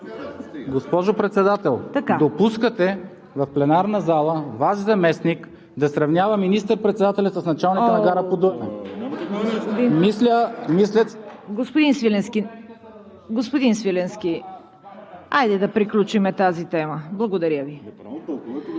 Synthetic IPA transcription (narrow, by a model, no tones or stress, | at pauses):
ɡospɔʒopɾɛt̪sɛd̪at̪ɛlˠt̪ɐkad̪opuskət̪ɛ | vɐfplɛnaɾnəzalˠəvaʃzɐmɛsnik | d̪ɐsɾɐvnʲjavɐminist̪əɾpɾɛt̪sɛd̪at̪ɛlʲɐt̪sɐsnɐt͡ʃalˠniənɐɡaɾəpod̪u | od̪inmislʲəmislʲəɡospod̪insvilɛnskin | ɡospod̪insvilɛnsk̟i | ajd̪ɛd̪ɐpɾiklʲut͡ʃimɛt̪azit̪ɛməblˠɐɡod̪ɐɾjəvi